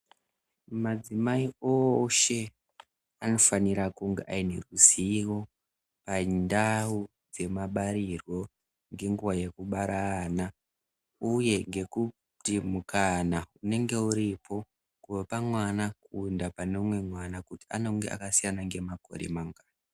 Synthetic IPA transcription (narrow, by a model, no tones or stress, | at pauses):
mad͡zimaioʃe̞ | ano̞faniɾakuŋɡeʔaine̞̰ruziwo̞ | pandau | d͡ze̞maɓaɾirwo̞ | ŋɡe̞ŋɡuwaje̞kuɓaɾana | uje̞ŋɡe̞ku | ttimukanaune̞ŋɡe̞uɾipʰo̞ | kuwopamwanakundapano̞mwe̞mwanakuti̥ano̞ŋɡe̞̰ʔa̰kasijanaŋɡe̞mako̞̰ɾḛmaŋɡaːna